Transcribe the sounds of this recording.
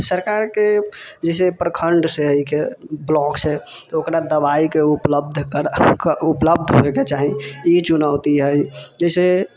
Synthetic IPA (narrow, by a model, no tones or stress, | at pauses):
səɾkaɾked͡ʒɛɪs̬epɾəkʰəɳɖseɦəjkʰeblɔkset̪ɔokɾad̪əbaikeupləb̚d̪ʱkəɾupləb̚d̪ʱɦo̰eket͡ʃaɦiit͡ʃunaʊt̪iɦəjd͡ʒəɪse